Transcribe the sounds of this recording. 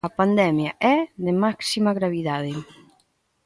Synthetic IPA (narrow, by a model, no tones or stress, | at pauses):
apand̪ɛmjaʔɛðɪmaksimaɣɾaβiðaðɪ